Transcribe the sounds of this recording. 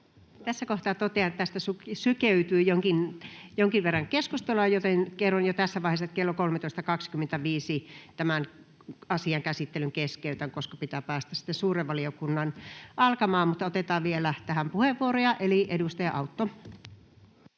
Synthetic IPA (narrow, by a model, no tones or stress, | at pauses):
t̪æsːækoht̪ɑːt̪ot̪eɑnt̪æst̪æsusykeyt̪yːjoŋkinjoŋkiʋerːɑŋkeskust̪olojot̪enkerːonjot̪æsːæʋɑˑiheset̪kelːokolmet̪oˑist̪ɑkɑkskymːent̪æʋiːsit̪æmæn | ɑsiɑŋkæsit̪ːelyŋkeskeyt̪æŋkoskɑpit̪æːpæːst̪æsi̥t̪esuːreʋʋɑliokunːɑnʔɑlkɑmɑːmut̪ːɑot̪et̪ɑːʋʋielæt̪æhæmpuheʋːuorojɑʔeliʔedust̪ɑjɑ̰ʔɑut̪ːo